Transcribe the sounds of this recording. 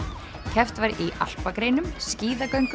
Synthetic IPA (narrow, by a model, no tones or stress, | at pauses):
cʰɛft̪vaɾiʔa̰l̥pakɾejnʏmsciːðakœɥŋk